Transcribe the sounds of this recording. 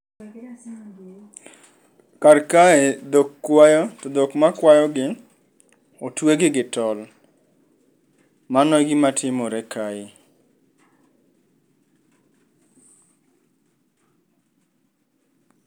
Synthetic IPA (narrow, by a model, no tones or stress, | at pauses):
karkaed̪okːwajɔtod̪okmakwajɔɡɪ | otweɡɪɡɪtɔl | manɔɡɪmatʰɪmɔɾɛkaɪ